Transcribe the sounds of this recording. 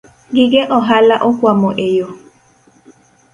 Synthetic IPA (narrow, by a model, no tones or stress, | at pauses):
ɡiɡeʔɔɦalaʔɔkwamɔʔejo